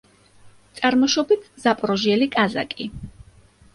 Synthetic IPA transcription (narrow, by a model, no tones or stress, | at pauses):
t̪sʼaɾmɔʃɔbit̪ʰzapʼɾɔʒiɛlikʼazakʼi